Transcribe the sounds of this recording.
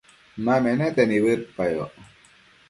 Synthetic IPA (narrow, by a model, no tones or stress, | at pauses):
mamɛnɛt̪ɛnibɯt̪̚pajɔ̰ʔ